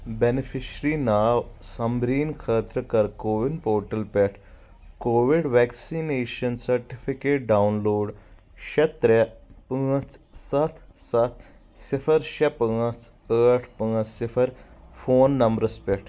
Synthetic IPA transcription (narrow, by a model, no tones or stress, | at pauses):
benifiɕɾinaʋsɐmɾiːnkʰəːt̪ɾəkəɾkoʋinpoːɾʈəlpɛʈʰ | koʋiɽʋɛksineɕənsəɾʈifikeʈ̚ɖaunloːɽ | ɕet̪ɾəpət͡ssɐt̪ʰsɐt̪̚ʰ | sifʰəɾɕepəət͡s | əʈʰpəəsifʰəɾfoːnːɐmbɾəspeʈʰ